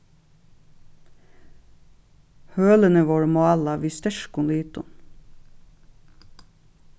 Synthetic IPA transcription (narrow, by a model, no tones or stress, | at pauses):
høːlənəʋoːɹmoɑlɑʋiːst̪œʃkʊnliːt̪ʊ̰n